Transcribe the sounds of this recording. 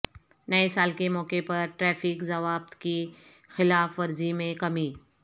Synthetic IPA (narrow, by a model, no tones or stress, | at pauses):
nɐesaːlkemɔːkepɐɾʈɾɛːfɪkzɐʋaːb̚t̪ki | xɪlaːfʋɐɾzimẽkɐmiː